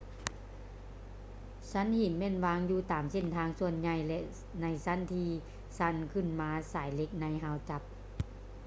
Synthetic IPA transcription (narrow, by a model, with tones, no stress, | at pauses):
sa˧˥˨nhi˨˦nmɛ˧˥˨nwaː˧˥ŋjuː˧˩t̪aː˨˩mse˧˥˨nt̪ʰaː˧ŋsu˧ənɲa˧˩jlɛ˧ʔ | na˧˩jsa˧˥˨nt̪ʰiː˧ | sa˧˥˨nkʰɯ˧˩˨nmaː˧saː˨˩˦jle˧˦k̚na˧˥jɦa˧˥˨wt͡ɕa˧˦p̚